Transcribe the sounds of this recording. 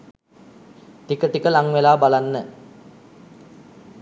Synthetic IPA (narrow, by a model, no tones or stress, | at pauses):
t̪ikəʈikəlaŋʋelaːbalanːə